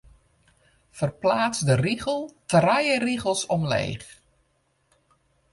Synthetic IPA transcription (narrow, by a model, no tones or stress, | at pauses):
fərplaːt͡sdəriɣəl̩ˠtrajəriɣəl̩ˠsɔmlḛːx